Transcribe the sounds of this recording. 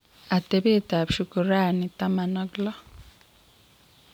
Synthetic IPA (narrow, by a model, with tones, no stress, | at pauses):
a˨t̪e˨βe˦t̪a˨bʃu˨ku˨ɾa˦ni˨ta˦ma˨nɔ˦ɡlɔ˦